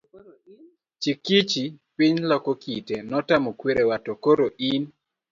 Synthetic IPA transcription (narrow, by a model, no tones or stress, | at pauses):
t͡ʃikit͡ʃipiɲlɔkɔkitenɔtamɔkweɾewatokoɾoʔin